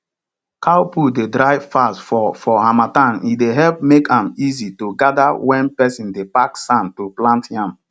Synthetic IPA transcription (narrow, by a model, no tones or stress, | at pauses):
kʰaʊpudedɹaɪfastfɔfɔhamatãnideɦɛlp̚mekʰãmizitoɡadawɛ̃npɛsĩndepaksãntoplãntjãm